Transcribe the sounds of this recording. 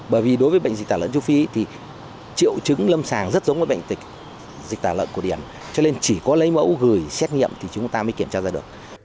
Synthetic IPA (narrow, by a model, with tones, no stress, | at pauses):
ɓəː˧˩jvi˨˩ɗo˨˦jvəː˨˦jɓə̰˧˨ŋ̟z̚t̪aː˧˩lə̰˧˨nt͡ɕu˨˦fi˨˦t̪ʰi˨˩ | t͡ɕḭ˧˨əwt͡ɕɨ˨˦ŋlə˧msaː˨˩ŋzə˦˥t̚zə˨˦wŋ͡mvəː˨˦jɓə̰˧˨jŋ̟t̪ï˨˩k̚ | zi˨˩k̚t̪aː˧˩lə̰ː˧˨nku˧˩ɗi˧˩ən | t͡ɕɔ˧ne˧nt͡ɕi˧˩kɔ˨˦lə˨˦jmə̰˧˥wɣɨ˧˨˩jsɛ˦˥t̚ŋḭ˧əmt̪ʰi˨˩t͡ɕʊ˨˦ŋ͡mt̪aː˧məː˨˦ki˧˩əmt͡ɕaː˧zaː˧ɗɨ˨˩ək̚